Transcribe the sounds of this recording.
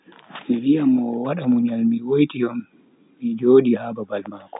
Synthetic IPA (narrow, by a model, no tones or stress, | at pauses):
miɾijamɔwaɗamuɲalmiwojtijɔmː | id͡ʒoːɗihaːbabalmaːkɔ̥